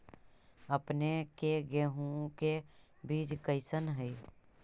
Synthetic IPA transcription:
əpnekeɡeɦũke | biːd͡ʒkəɪsənɦəi

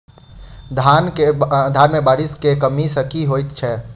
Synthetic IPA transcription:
d̪ʱaːned̪ʱaːnmẽbaːɾɪskekəmisəkiɦoːit̪t͡ʃʰɛ

